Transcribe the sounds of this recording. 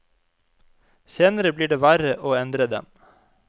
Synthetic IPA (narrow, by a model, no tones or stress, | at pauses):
seːnəɾəbliːɖeːʋæɾəʔoːɛnd̪ɾəd̪ɛ̰m